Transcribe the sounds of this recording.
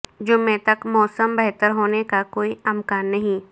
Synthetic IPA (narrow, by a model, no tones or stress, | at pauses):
d͡ʒʊmːet̪ɐkmɔːsəmbɛɦt̪əɾɦoːnekakoːiɐmkaːnːɐɦĩː